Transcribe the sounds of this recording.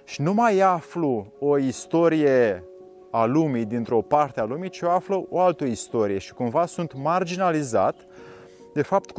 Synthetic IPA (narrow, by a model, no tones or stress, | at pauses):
ʃinumajafluo̞ist̪o̞ɾije̞ | alumijd̪int̪ɾo̞part̪ealumit͡ʃioafləʔoalt̪əist̪o̞ɾije̞ʃi̥kumvasunt̪mard͡ʒinaliza̰t̪ | d̪e̞fap̚t̪